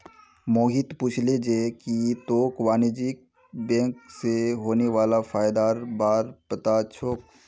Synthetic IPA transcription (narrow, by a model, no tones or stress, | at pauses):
moːɦɪt̪puːt͡ʃʰled͡ʒeːkit̪oːkwaːnd͡ʒik̚ | bɛ̃ːŋkseɦoːneʋaːlafaːjd̪aːɾbaːɾpɐt̪at͡ʃʰoːk̚